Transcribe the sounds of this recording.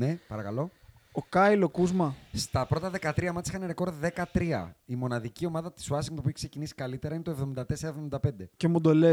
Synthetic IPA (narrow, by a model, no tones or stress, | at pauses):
nepɐɾɐkɐlo̞ | okɐilo̞kuzmɐst̪ɐpɾo̞t̪ɐðe̞kɐt̪ɾiɐmɐt̪si̥xɐneɾekoɾðe̞kɐt̪ɾiɐ̰imo̞nɐðicio̞mɐðɐt̪i̥swɐsiŋt̪opieçkse̞cinisi̥kɐlit̪e̞ɾɐint̪oe̞vðo̞mind̪ɐt̪e̞seɾɐevðo̞mind̪ɐpe̞nd̪e̞ce̞mud̪o̞le